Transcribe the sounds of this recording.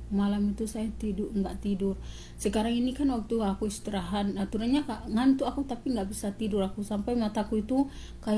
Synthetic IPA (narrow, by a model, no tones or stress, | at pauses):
malamit̪usajat̪iduŋɡaʔt̪idʊr | səkaɾaŋinikanwak̚t̪uakuist̪əɾaɦanat̪uɾanɲakaʔŋant̪uakut̪apiŋɡaʔbisat̪iduɾakusampajmat̪akuit̪u | kaj